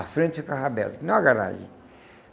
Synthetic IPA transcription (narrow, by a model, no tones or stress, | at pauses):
afɾẽnt͡ʃ̪ukaɦabɛ̰lnãaɡaɾa̰ʒḭ